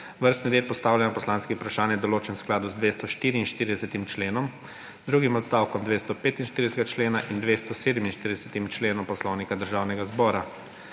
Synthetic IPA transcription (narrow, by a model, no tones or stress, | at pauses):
ʋəɾst̪niɾeːt̪̚pɔst̪aːwljanɔpɔslaːnskiupɾaʃaːnjɛd̪ɔloːt͡ʃɛmsklaːd̪uzd̪ʋeːst̪ɔʃt̪iːɾiːnʃt̪iːɾid̪ɛsɛt̪imt͡ʃleːnɔm | d̪ɾuːɡimɔt̪st̪aːwkɔmd̪ʋest̪ɔpeːt̪inʃt̪iɾid̪ɛsɛɡat͡ʃleːnaʔind̪ʋest̪ɔseːd̪ɛminʃt̪iɾid̪ɛsɛt̪imt͡ʃleːnɔmpɔslɔwnikad̪əɾʒaːwnɛɡazbɔːɾa